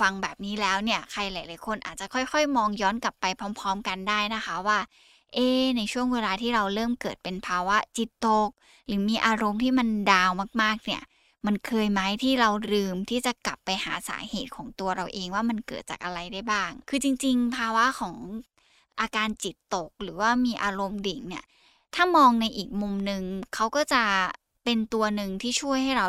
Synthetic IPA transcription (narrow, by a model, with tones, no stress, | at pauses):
fa˧ŋbɛː˨˩p̚niː˦˥lɛː˦˥wni˥˩ɐkʰa˧jlaː˩˦laː˨˦jkʰo˧nʔa̰ː˨˩t̪̚t͡ɕa˨˩kʰɔ˥˩jxɔ˥˩jmɔː˧ŋjɔː˦˥nkla˨˩pːa˧jpʰɾɔː˦˥mpʰɔː˦˥mka˧ndaː˥˩jna˦˥xʰa˦˥waː˥˩ | ʔeː˧˩na˧jt͡ɕʰu˥˩əŋweː˧laː˧t̪ʰiː˥˩ɾa˧wɾɤː˥˩mkɤː˨˩t̪̚pe˧npʰaː˧wa˦˥t͡ɕi˨˩t̪ːo˨˩k̚ | ɾɯː˩˦miː˧ʔaː˧ɾo˧mt̪ʰiː˥˩ma˧ndaː˧wmaː˥˩k̚maː˥˩k̚ni˥˩ɐ | ma˧nkʰɤː˧jma˦˥jt̪ʰiː˥˩ɾa˧wɾɯː˧mt̪ʰiː˥˩t͡ɕa˨˩kla˨˩pːa˧jha̰ː˩˦sa̰ː˩˦heː˨˩t̪̚kʰɔː˩˦ŋt̪u˧ɐɾa˧wʔeː˧ŋwaː˥˩ma˧nkɤ̰ː˨˩t̪̚t͡ɕa̰ː˨˩k̚ʔa˧ɾa˧jda˥˩jbaː˥˩ŋkʰɯː˧t͡ɕi˧ŋt͡ɕi˧ŋpʰaː˧wa˦˥kʰɔː˩˦ŋ | ʔaː˧kaː˧nt͡ɕi˨˩t̪ːo˨˩k̚ɾɯː˩˦waː˥˩miː˧ʔaː˧ɾo˧mdi˨˩˦ŋni˥˩ɐ | t̪ʰaː˥˩mɔː˧ŋna˧jʔiː˨˩k̚mu˧mnɯ˧ŋkʰa˦˥wkɔː˥˩t͡ɕa˨˩ | pe˧nt̪u˧ɐnɯ˨˧ŋt̪ʰiː˥˩t͡ɕʰu˥˩əjha˥˩jɾa˧w